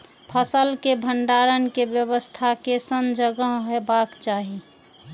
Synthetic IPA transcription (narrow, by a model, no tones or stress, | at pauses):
pʰəsəlkebʱəɳɖaːɾənkebjəwəst̪ʰakesənd͡ʒəɡəɦɦebakt͡ʃaːɦi